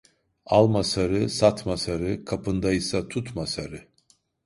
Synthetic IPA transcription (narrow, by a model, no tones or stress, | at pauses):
alˠmasaɾɯsat̪masaɾɯkʰapʰɯnd̪ajɯsat̪ʰut̪masaɾɯ